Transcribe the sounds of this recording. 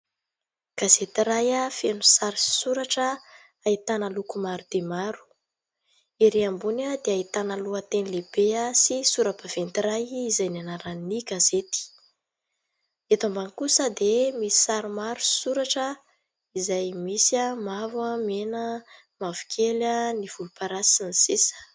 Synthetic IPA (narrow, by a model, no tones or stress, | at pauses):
ɡ̥azet̪iɾajafenusaɾi̥suɾaʈ͡ʂə | ait̪anəlukumaɾud̪̥emaɾu̥ | iɾeambunəd̪eait̪anəluət̪enileb̥easisuɾapav̥ent̪iɾajːzajnanaɾanːiɡazet̪i̥ | et̪ambankusəd̪emisi̥saɾumaɾu̥i̥suɾaʈ͡ʂə | izajmisiamavwəmenə | mavu̥kʰʲeləniv̥ulupaɾasinisesə̥